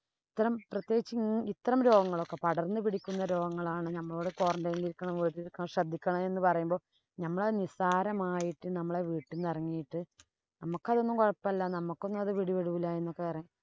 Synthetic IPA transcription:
it̪ːɐɾɐmprɐt̪je̞ːɡit͡ɕːɨit̪ːɐɾɐmɾo̞ːɡɐŋːɐɭokːepɐɽɐrnːɨpiɽikʲːunːɐɾo̞ːɡɐŋːɐɭaːɳɨnɐmːɐɭoːɽeko̞ːrɐɳdɐjniliɾukːɐɳɐmʋiːʈːiɾikːɐɳɐmɕɐd̪ʱːikʲːɐɳɐme̞nːɨpɐrɐjumbo̞ː | nɐmːɐɭenisaːɾɐmaːjiʈːɨnɐmːɐɭe̞ʋiːʈːilnɐrɐŋːijiʈːɨ | nɐmukːɐðonːumkoɻɐpːɐɐlːɐnɐmukːo̞nːumɐðɨʋiɽiʋeɽuʋilaːje̞nːokːeirɐɲːu

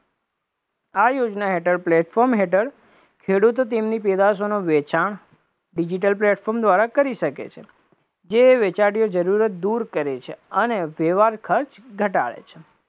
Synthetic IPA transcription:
ajod͡ʒnaɦeʈəɾplɛʈfɔɾmɦeʈəɾ | kʰeɽut̪ot̪̬emniped̪asonoʋet͡ʃaɳ | ɖid͡ʒiʈ̬əlpleʈfʰɔɾmd̪ʋaɾakəɾiʃəkḛt͡ʃʰe | d͡ʒeʋet͡ʃaɽijod͡ʒəɾuɾət̪̚d̪uɾkəɾet͡ʃʰeəneʋeʋaɾkʰəɾt͡ʃɡʱəʈa̰ɭḛt͡ʃʰe̥

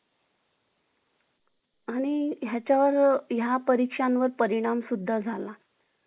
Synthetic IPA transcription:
aɽ̃iɦjat͡ɕjaʋəɾjapəɾikʂanʋəɾpəɾiɽ̃amsud̪ʱːad͡zʱala

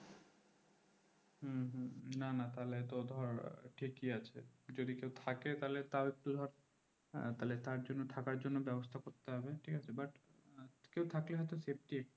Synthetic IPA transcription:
ɦuɦnanat̪alet̪od̪ʱɔɾʈʰikːiat͡ɕʰḛd͡ʑod̪ikewt̪ʰaket̪alet̪aoek̚ʈud̪ʱɔɾ | t̪alet̪aɾd͡ʑonːot̪ʰakaɾd͡ʑonːobɛbost̪ʰakoɾt̪eɦɔbeʈʰikat͡ɕʰebaʈ | kewt̪ʰakleɦɔjt̪osep̚ʈiek̚

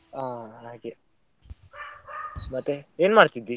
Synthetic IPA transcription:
aːaːke | mɐt̪ːeeːnmaːɽt̪id̪ːi

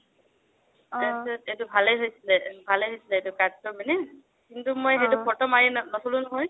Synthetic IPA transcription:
asɛetubʱalejɦojsilɛbʱalejɦojsilɛetukadtɔmanɛ | kintumojɦetʊpʰɔtɔmajɛnnɔsʰɔlunɔɦɔj

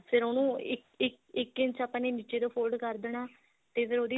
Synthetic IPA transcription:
pʰɪɾoːnũːɪkɪk | ɪkːɪ̃nt͡ʃaːpãːneːniːt͡ʃeːd̪oːpʰoːlɖkəɾd̪eːnaː | t̪eːpʰɪɾoːd̪iː

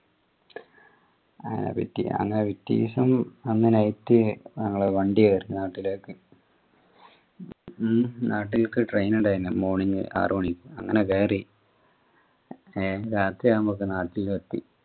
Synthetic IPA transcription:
ɐ̰nḛpḭtːḭɐ̰ŋːɐnepit̪ːḭːsɐmɐnːinɐjtːɨnɐŋːɐɭeʋɐɳɖiɐʋɐɾnaːʈːileːkːɨ | nʔaːʈːilkɨʈrejnuɳɖajinːɨmoːɳiŋːɨ̰ʔa̰ːroːɳikʲːuɐŋːɐnekeːri | eɾaːt̪ɾiɐmokːɨnaːʈːilʋet̪ːḭ

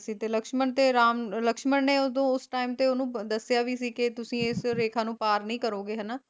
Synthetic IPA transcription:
siːt̪eːləkʃməɳt̪eːɾaːmləkʃməɳneːod̪õːʊsʈaːimt̪eːoːnũːd̪əsːɪjaːʋiːsiːkɪt̪ʊsĩːɪsɾeːkʰãːnũːpaːɾnəĩːkəɾoːɡeːɦənaː

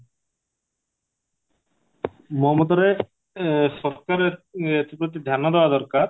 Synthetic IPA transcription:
mɔɦmot̪ɔɾe | ʃɔɾkaɾeet̪ipɾot̪̬id̪ʱjanːod̪eoad̪ɔɾkaɾ

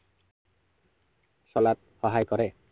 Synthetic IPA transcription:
sɔlat̪̚hɔɦajkɔɾe

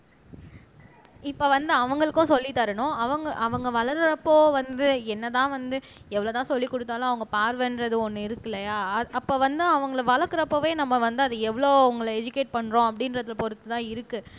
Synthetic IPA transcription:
ɪpːoːʋɐnd̪ɯɐʋɐŋɡɐɭɯkːʊ̃sɔlːit̪ːɐɾɐɳʊ̃ɐʋɐŋɡɐʔɐʋɐŋɡɐʋɐɭɐɾɾɐpːoːʋɐnd̪ɯɛnːɐt̪ãːʋɐnd̪ɯ | ɛʋːɐɭoːt̪ãːsɔlːikːɔɽɯt̪ːaːlõːɐʋɐŋɡɐpaːɾʋɛnɾɐðɯɔnːɯɪɾɯkːɯlɐjaːɐɐpːoːʋɐnd̪ɯɐʋɐŋɡɐɭʋɐɭɐkːɯɾɐpːoːʋeːnɐmːɐʋɐnd̪ɯɐðɯɛʋɐɭoːʊŋɡɐɭɛd͡ʒɯkeːʈ̚pɐɳːɾõɐpːɐɽɪnɾɐðɪlpɔɾɯt̪ːɯt̪ãːɪɾɯkːɯ

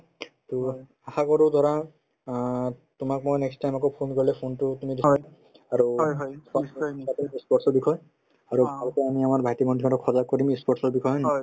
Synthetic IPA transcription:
tu | axakɔɾudʱɔɹa | tʊmak̚mojnɛkstʰajmak̬ɔpʰonkɔɹilɛpʰontʊtumidissa | aɹujsɔatɔispɔɹʈsɔɹbikʰɔj | aɹulɔkɔamiamaɹbʱajtimɔndikatɔkʰɔzakɔɹimispɔɹʈsɔɹbikʰɔjɦɔjn

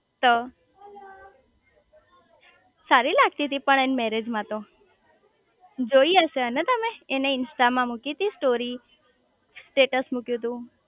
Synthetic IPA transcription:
t̪o | saɾilaɡ̚t̪it̪ipəɳenmɛɾed͡ʒmãt̪o | d͡ʒoiəʃeənet̪əmeːneɪnsʈamãmukit̪isʈoɾi | sʈeʈəsmukjũt̪̬ũ

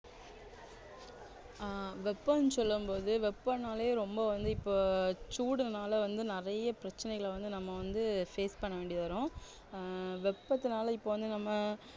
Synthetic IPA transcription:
ʋɛpːɐnɯsɔlːɯmpoːðɯʋɛpːɐnaːleeɾɔmbɐʋɐnd̪ɯɪpːoːt͡ʃuːɽɯnaːlɐʋɐnd̪ɯnɪɾɐjɐpɪɾɐt͡ʃːɐnɛɣɐɭʋɐnd̪ɯnɐmːɐʋɐnd̪ɯfeːspɐɳːɐʋeːɳɖɪjɐðaːɾõː | ʋɛpːɐt̪ːɯnaːlɐɪpːoːʋɐnd̪ɯnɐmːɐ

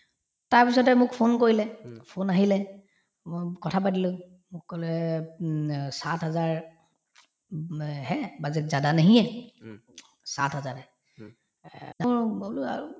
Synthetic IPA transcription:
taɹpisɔtɛmʊkpʰonkoɹilɛpʰonaɦilɛ | kɔtʰap̬atilʊ̃ | mʊkkolɛ | satɦazaɹ | ɦɛbazɛk̚zadanaɦijɛ | sa̰tɦazaɹɛ | aɹol̰

